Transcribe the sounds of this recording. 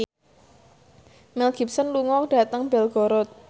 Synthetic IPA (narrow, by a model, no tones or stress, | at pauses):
mɛlɡ̥i̤p̚sənluŋɔk̚d̥a̤t̪əŋbɛlɡ̥ɔɾɔt̪̚